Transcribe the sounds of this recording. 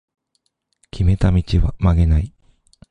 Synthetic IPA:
kʲʰime̞t̪amʲit͡ɕiβa̰maɡe̞nai

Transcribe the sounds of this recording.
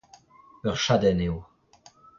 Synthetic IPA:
œʁʃad̪ɛnew

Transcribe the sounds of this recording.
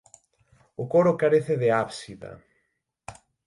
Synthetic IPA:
ʊkoɾokaɾeθeðeaβsiða̰

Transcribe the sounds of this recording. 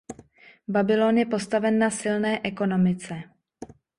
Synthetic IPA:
babɪloːnjɛpo̞st̪avɛnːasɪlnɛːʔɛko̞no̞mɪt͡sɛ

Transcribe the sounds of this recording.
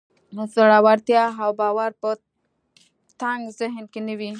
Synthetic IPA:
səɽawaɾt̪jaawbawaɾpə | t̪aŋɡzɪɦnkenəwi

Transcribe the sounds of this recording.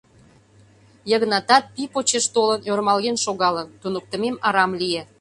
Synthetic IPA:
jəɣnɑt̪ɑt̪̚pipot͡ɕeʃt̪olənormɑlɣenʃoɣɑlənt̪unək̚t̪ə̆memɑɾɑmlije

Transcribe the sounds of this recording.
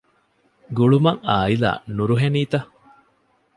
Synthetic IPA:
ɡuɭumɐŋaːila̰ːnuɾuɦeniːt̪ɐ

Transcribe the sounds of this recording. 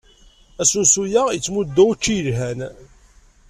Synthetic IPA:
æsunsujaijət͡sːmud̪ːæt͡ʃːijəlɦæn

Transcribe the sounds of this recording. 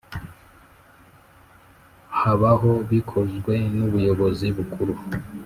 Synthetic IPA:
haβaɦo̞βikʰo̞zɡwe̞nuβujo̞βo̞ziβukʰuɾu

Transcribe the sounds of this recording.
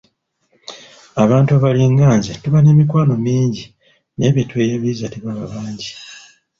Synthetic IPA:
aβaːntuaβaliŋɡaːɲzetuβane̞ːmikwaːno̞miːɲɟi | ne̞ːβjetwe̞ːjaβizatiβaβa̰βaːɲɟi

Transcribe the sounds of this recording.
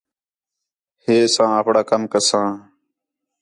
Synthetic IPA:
heːsãːəpɽaːkəmkəsãː

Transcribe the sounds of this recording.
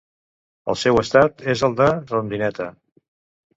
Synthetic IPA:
ə̰lˠsɛwəst̪at̪ezəlˠd̪ərund̪inɛt̪ə

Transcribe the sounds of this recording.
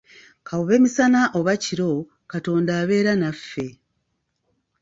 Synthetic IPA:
kʰawuβe̞ːmisanaʔoβaciɾo̞ | kato̞ːndaːβe̞ːɾanafːe̞

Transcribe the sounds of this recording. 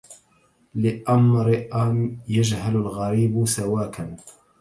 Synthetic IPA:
lɪʔamɾɪʔanjad͡ʒhalalɣaɾiːbsawaːkan

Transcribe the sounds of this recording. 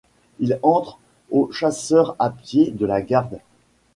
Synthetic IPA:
ilɑ̃t̪χ | oʃasœʁapjed̪əlaɡaʁd̪

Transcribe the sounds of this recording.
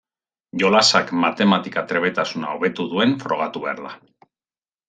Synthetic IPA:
ʝo̞lasakmat̪e̞mat̪ikat̪ɾe̞βe̞t̪asuna̰oβe̞t̪uðue̞nfɾo̞̰ɣ̞at̪uβea̰ɾla̰

